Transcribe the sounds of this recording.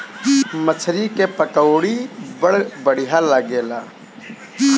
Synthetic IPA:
mət͡ʃʰɾikepəkəːɽibəɽbəɽ̤ijaləɡeːlaː

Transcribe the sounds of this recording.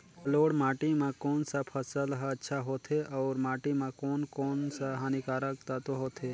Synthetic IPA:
loːɽmaːʈimãkoːnsapʰəsəlɦɐtːʃʰaɦoːt̪ʰeʔɔːɾmaːʈimãkoːnkoːnsaɦaːnikaːɾək̚t̪at̪oɦoːt̪ʰe

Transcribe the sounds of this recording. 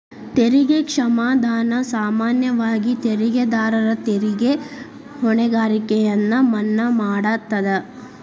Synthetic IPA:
t̪eɾiɡekʂɐmaːd̪ʱaːnɐsaːmaːnjɐʋaːɡit̪eɾiɡed̪aːɾɐɾɐt̪eɾiɡe | hɔɳɛɡaːɾikɛjɐnːɐmɐnːɐmaːɽaːt̪ːɐd̪ɐ

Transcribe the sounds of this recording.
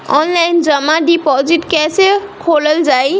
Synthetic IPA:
ɔnlajnzəmadipɔzitkɛsekʰoləlzaj

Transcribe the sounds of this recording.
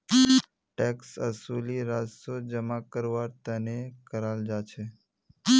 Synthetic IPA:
ʈɛksəsuliɾad͡ʒsod͡ʒəmakəɾʋaɾt̪ənekəɾald͡ʒat͡ʃʰe

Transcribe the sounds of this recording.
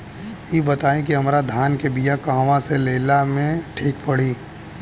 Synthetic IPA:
jibɐt̪aːĩk̬iɦɐmɾad̪ʱaːnkebijakãːʋãseleːlamẽʈʰiːkpɐɽiː

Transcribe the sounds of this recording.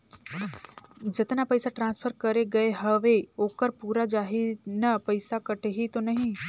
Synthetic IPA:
d͡ʒɪt̪napəɪsaʈɾãːnspʰəɾkəɾeɡɐeɦəʋeoːkəɾpuːɾad͡ʒaːɦinɐpəɪsakəʈeɦit̪onɐɦĩ

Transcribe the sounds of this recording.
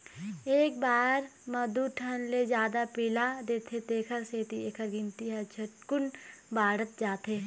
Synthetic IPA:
eːk̚baːɾmɐd̪uʈʰənled͡ʒjaːd̪apiːlad̪eːt̪ʰet̪eːkʰəɾseːt̪ieːkʰəɾɡɪ̃nt̪iɦɐt͡ʃʰəʈkʊnbaːɽət̪̚d͡ʒaːt̪eː

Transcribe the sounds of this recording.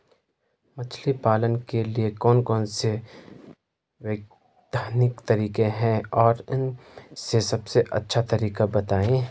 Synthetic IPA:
mɐt͡ʃʰlipaːlənkeliekɔːnkɔːnse | ʋeːɡ̚ | d̪ʱaːnɪkt̪ɐɾiːkẽɦɛ̃ɔːɾɪnsesɐbseʔɐ̰tːʃʰat̪ɐɾiːkabɐt̪aːẽː

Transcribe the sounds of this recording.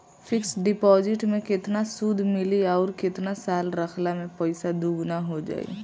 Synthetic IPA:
fʰɪksɖɪpɔːzɪʈmẽkɪt̪nasuːd̪ʱmɪliɔːɾkɪt̪nasaːlɾɐkʰlamẽpəɪsad̪uːɡnaɦod͡ʒa̰ːḭ

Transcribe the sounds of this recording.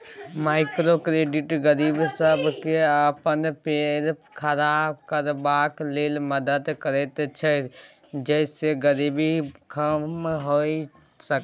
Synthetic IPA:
maːɪkɾokɾeːɖɪʈɡəɾiːbsəbkeaːpənpeːɾ | kʰəɾaːbkəɾbaːkleːlməd̪əd̪kəɾeːt̪t͡ʃʰə | d͡ʒɛːseɡəɾiːbikʰəmɦoi | sək

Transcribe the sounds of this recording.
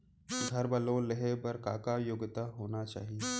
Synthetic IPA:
ɡʱɐɾbəlõleɦebɐɾkaːkajoɡɪt̪aɦoːnat͡ʃa̰ːɦije

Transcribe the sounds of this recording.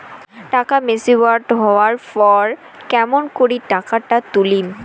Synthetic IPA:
ʈakamesiwatɦɔwaɹpɔɹ | kɛmɔnkoɹitakatat̪ulim

